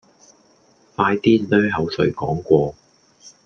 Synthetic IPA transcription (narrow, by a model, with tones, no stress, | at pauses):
faː˧jt̪iː˥lœː˥ɦɐ˨˧wsɵ˨˧ɥkɔː˨˥ŋkʷɔː˧